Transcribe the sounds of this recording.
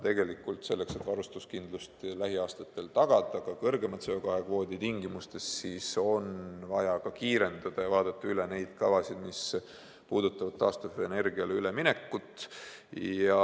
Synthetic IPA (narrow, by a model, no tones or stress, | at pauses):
t̪e̞ɡe̞likːˑult̪se̞lːe̞kse̞t̪ːvɑɾust̪uskind̪lust̪læɦiɑːst̪ɑt̪ːˑe̞lt̪ɑɡ̥ɑd̪ˑɑkɑkɤrɡe̞mɑt̪seokɑɦekvo̞ːd̪it̪iŋɡimust̪e̞ssiːso̞nvɑjɑkɑkiːɾe̞nd̪̥ɑd̪̥ɑjɑvɑːd̪̥ɑt̪ːɑyle̞ne̞jd̪̥kɑvɑsid̪̥mis | puːd̪̥ut̪ːˑɑvɑd̪̥̚t̪ːɑːst̪uvene̞rɡiɑleyle̞minekːut̪ːˑ | jɑ